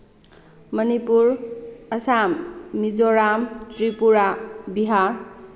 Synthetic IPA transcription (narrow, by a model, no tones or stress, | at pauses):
mənipuɾəsamːizoɾamtɾipuɾabiɦaɾ